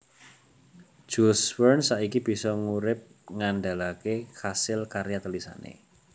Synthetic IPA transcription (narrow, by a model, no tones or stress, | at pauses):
d͡ʒ̥uswərnsaikib̥i̤sɔŋuɾɪp̚ | ŋanɖa̤lakehasɪlkaɾjat̪əlisa̰nḛ